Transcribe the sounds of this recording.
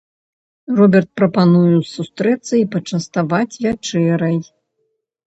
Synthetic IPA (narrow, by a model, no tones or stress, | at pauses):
rɔbʲɛrt̪̚pɾɐpanujusust̪ɾɛt̪sːɐipɐt͡ʂɐst̪avat͡sʲvʲat͡ʂɛɾɐj